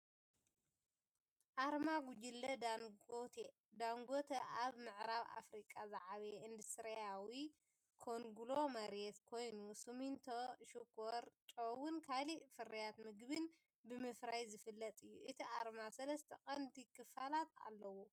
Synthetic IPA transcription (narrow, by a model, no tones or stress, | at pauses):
ʔaɾmaɡud͡ʒilːɐ | d̪aŋɡot̪ʰɐʔaβmɨʕɾaβa̰fɾikʼaza̰ʕaβeɨnd̪ɨsɨɾɐjawi | kʰoŋɡulo̞mɐɾet̪kʰo̞jnusumint̪ʰoʃukʰːoɾt͡ʃʼowunkʰalifɨɾɐjat̪mɨɡbɨn | bɨmɨfɾajzɨfɨlːɐt̪ʼɨjːṵʔɨt̪ʰiʔaɾmasɐlɐst̪ʰɐkʼɐnd̪ikʰɨfalat̪a̰lːɐwo